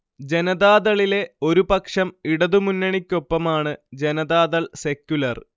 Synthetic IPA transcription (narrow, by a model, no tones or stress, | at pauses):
d͡ʑe̞nɐðaːðɐɭile̞o̞ɾupɐkʂɐmiɽɐðumunːɐɳikʲːo̞pːɐmaːɳɨd͡ʑe̞nɐðaːðɐɭse̞kʲːulɐr